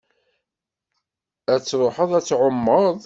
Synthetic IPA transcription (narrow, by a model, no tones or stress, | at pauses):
æt͡sːɾˤoħəðˤæt͡sːʕomːəðˤ